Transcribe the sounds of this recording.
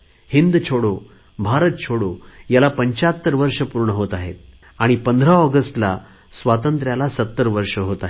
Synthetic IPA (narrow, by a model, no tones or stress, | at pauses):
hind̪t͡ɕʰoɽo | bʱaɾət̪̚t͡ɕʰoɽojalapəɲt͡ɕat̪ːəɾʋəɾʂəpuɾɳəɦot̪aɦḛt̪̚ | aɽ̃ipənd̪ʱɾaəɡəsʈla̰ | sʋat̪ənt̪ɾjalasət̪ːəɾʋəɾʂəɦot̪aɦe